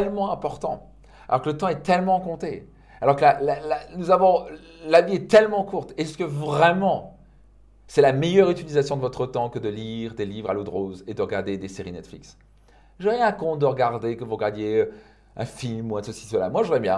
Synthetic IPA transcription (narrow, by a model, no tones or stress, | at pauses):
ɛlmɑ̃ɛ̃pɔʁt̪ɑ̰̃ | alɔʁkələt̪ɑ̃ɛt̪ɛlmɑ̃kɔ̃t̪e | alɔʁkəlalalanuzavɔ̃ | laviɛt̪ɛlmɑ̃kuʁt̪esə̥kəvʁɛmɑ̃ | sɛlamɛjœʁyt̪ilizasjɔ̃d̪əvɔt̪χət̪ɑ̃kəd̪əliʁd̪elivʁa̰lod̪ʁozed̪əʁəɡaʁd̪ed̪eseʁinɛt̪flḭks | ʒəʁjɛ̃kɔ̃t̪d̪əʁəɡaʁd̪ekəvuʁəɡaʁd̪jeø | ɛ̰̃filmuɛ̃səsi̥səla̰mwaʒuʁɛmjɛ̰̃